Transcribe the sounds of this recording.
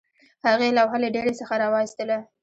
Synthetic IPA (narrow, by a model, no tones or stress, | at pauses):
haɣelawɦaleɖeɽesəxaɾɑwɑxist̪əla